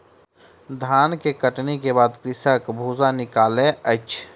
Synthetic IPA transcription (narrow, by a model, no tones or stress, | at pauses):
d̪ʱaːnkekəʈnekebaːd̪kɾɪsəkbʱuzanɪkaːleəɪt͡ʃʰ